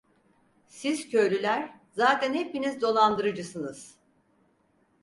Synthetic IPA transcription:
siz̥cʰø̞jlʲylʲæɾ̥ | zaːt̪ʰænhepinizd̪o̞lˠand̪ɯɾɯd͡ʒɯsɯnɯz̥

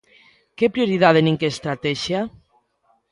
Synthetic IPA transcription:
kepɾjoɾiðaðenĩŋkeːst̪ɾat̪ɛʃja

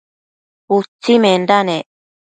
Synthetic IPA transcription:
ut͡sːimendane

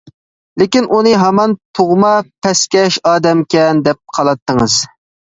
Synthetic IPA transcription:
lɪkʲinʔunɨɦɑmɑnt̪ʰoʁmɑpʰɛskʲɛʃɑːd̪ɛmkʲɛnd̪ɛp̚qʰɑlˠɑt̪ʰːəŋɨz

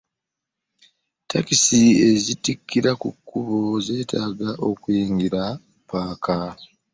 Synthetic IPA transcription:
takisie̞zitikːiɾakukʰːuβoze̞ːtʰaːɡaʔo̞kwiːŋɡiɾa | paːka

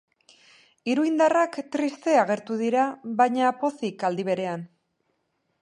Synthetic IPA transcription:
iɾuind̪arakt̪ɾist̪e̞aɣ̞e̞ɾt̪uðiɾaβajɲapo̞sikald̪iβ̞e̞ɾe̞an

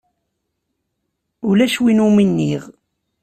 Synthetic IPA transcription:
ʊlæʃwinuminːiʁ

